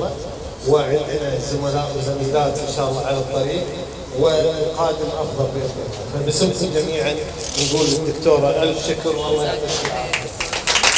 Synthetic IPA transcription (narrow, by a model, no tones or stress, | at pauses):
a | wɪʕɪɪazʊmalaːʔmʊzamjɪd̪aːt̪ʔɪnʃaːʔɑlˤːɑːʕalat̪ˤːɑɾiːq | wɪqɑːd̪ɪmʔɑfðˤɑlfɪɪafabɪsɪmt̪id͡ʒamiːʕan | jɡuːlːɪd̪ːʊkt̪oːɾˤɑʔalfʃɪklwɑlˤːɑːjamaʃiʔaːɪ